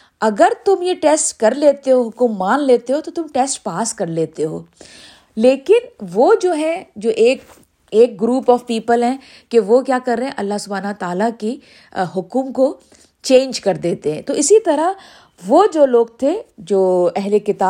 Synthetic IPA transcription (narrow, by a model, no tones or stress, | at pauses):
ɐɡəɾt̪ʊmjeʈeːsʈkɐɾleːt̪eɦoɦʊkʊmːaːnleːt̪eɦoːt̪ot̪ʊmʈeːsʈpaːskɐɾleːt̪eɦo̰ː | leːkɪnʋod͡ʒoːɦɛ̃d͡ʒoːʔeːk | eːk̚ɡɾuːpɔːʋpiːpəlɦɛ̃ː | keʋokjaːkɐɾːeɦɛ̃ʔɐlːaɦsʊbʱaːnɐt̪aːlaki | ɦʊkʊmko | t͡ʃẽːnd͡ʒkɐɾd̪eːt̪eɦɛ̃ːt̪oʔɪsit̪ɐɾa | ʋoːd͡ʒoːloːɡ̚t̪ʰed͡ʒoːɛɦlekɪt̪aː